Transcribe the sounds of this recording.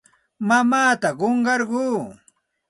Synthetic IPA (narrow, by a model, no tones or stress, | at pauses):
mamaːt̪aɢoɴɢɑɾɢuː